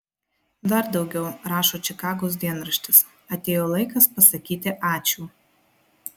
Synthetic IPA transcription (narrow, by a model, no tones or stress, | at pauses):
d̪ɐɾd̪ɒʊɡʲɛʊɾɑːʃoːt͡ʃʲɪkɑːɡoːs̬d̪ʲiɛnɾɐʃʲt̪ʲɪs | ɐt̪ʲeːjoːlˠɐɪkɐspɐsɐkʲiːt̪ʲɪʔɑːt͡ʃʲuː